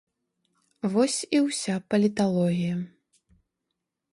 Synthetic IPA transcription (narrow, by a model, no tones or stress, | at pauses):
vɔsʲiwsʲapɐlʲit̪alˠɔɣʲijɐ